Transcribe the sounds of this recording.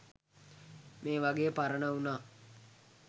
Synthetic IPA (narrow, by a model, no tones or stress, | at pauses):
meːʋaɡeːpaɾənəunaː